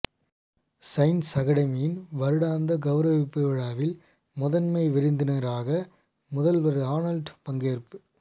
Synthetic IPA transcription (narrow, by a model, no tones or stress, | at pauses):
sɐɪnsɐɣɐɽɐmijɪnʋɐɾɯɽaːnd̪ɐɡɐʋɾɐʋɪpːɯʋɪɻaːʋɪl | mʊðɐnmɐɪʋɪɾɪnd̪ɪnɐɾaːɣɐ | mʊðɐlʋɐɾɯaːnɐlɖpɐŋɡeːɾpɯ